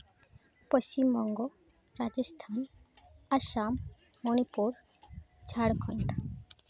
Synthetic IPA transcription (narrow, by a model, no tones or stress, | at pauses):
poʃt͡ɕimbɔŋɡo | ɾad͡ʑest̪ʰan | aʃam | monipuɾ | d͡ʑʰʱaɽɡʰʱɔɳʈ